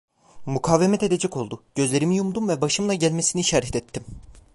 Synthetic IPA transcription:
mukʰaːvemɛt̪e̞d̪e̞d͡ʒɛco̞lˠd̪uɟ̥ø̞zlʲe̞ɾimijumd̪umvɛbaʃɯmlˠaɟælʲmesiniʃaɾɛt̪ʰɛt̪ʰːim

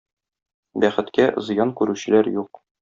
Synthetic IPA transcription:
bæχɘ̆t̪kæzɤ̆jɑnkʉɾʉɕɘ̆læɾjuq

